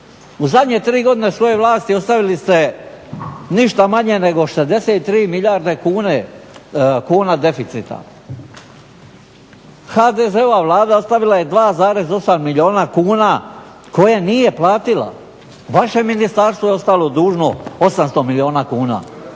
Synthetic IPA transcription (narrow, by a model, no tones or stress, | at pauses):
uzad̪ɲe̞t̪ɾiːɡo̞d̪ine̞sʋo̞jeʋlˠaːst̪io̞st̪aʋilist̪e̞ | niʃt̪amaɲene̞ɡo̞ʃezd̪e̞seːt̪t̪ːɾiːmilʎaɾd̪e̞kuːne | kuːnad̪e̞fit̪sit̪a̰ | xad̪ezeoʋaʋlˠaːd̪ao̞st̪aʋilaje̞d̪ʋaːzaːɾe̞zo̞samːilʲio̞ːnakuːna | ko̞janije̞plaːt̪ila̰ | ʋaʃe̞minist̪aɾst̪ʋojeo̞st̪alo̞d̪uːʒno̞o̞samst̪o̞milio̞ːnakuːna̰ː